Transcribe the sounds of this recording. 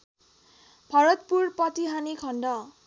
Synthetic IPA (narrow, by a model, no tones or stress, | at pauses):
bʱʌɾʌt̪̚purpʌt̪iɦanikʰʌɳɖʌ